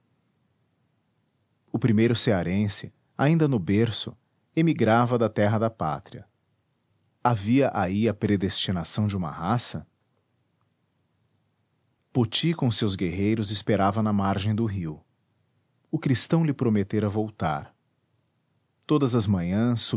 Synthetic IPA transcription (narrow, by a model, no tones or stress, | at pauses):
ʊpɾimejɾʊseaɾẽsɪ | a̰ĩnd̪ɐnʊbeɾsʊ̰ | emiɡɾavɐd̪ɐt̪ɛɦɐd̪ɐpa̰t̪ɾiɐ̰ | aviɐʔaiɐpɾed̪est͡ʃinasɐ̃w̃d͡ʒɪũmɐ̰hasɐ | pot͡ʃikõsewzɡeɦejɾʊzɪspeɾavɐnɐmaɾʒẽj̃d̪ʊɦiw | ʊkɾist̪ɐ̃w̃lɪpɾomet̪eɾɐvowt̪a̰ɾ | t̪od̪ɐzɐzmɐ̃ɲɐ̃sː